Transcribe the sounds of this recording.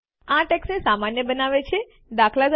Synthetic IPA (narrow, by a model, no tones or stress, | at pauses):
ãʈeksnesamanjəbənaʋet͡ʃʰe | d̪akʰlad͡ʒ